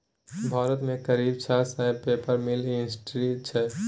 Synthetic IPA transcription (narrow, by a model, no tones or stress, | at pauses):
bʱaːɾət̪mẽkəɾib̚t͡ʃʰasãpepəɾmilinsʈɾit͡ʃʰɛ